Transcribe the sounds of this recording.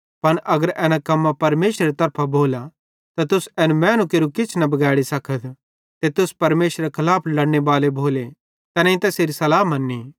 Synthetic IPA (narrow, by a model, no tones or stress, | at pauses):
pɐnʔɐɡəɾɛːnãkɐmːapɐɾmeːʃɾeɾet̪ɐɾpʰabʱoːla | t̪at̪ʊsɛːnũmɛ̃ːnũkeːɾukɪt͡ʃʰnɐbɐɡaɛːɽisɐkʰət̪ | t̪et̪ʊspɐɾmeːsɾekʰɐlaːpʰlɐɽɽ̃ebaːlebʱoːle | t̪ɛːnɛ̃ĩt̪ɛseːɾisɐlaːmɐnːĩ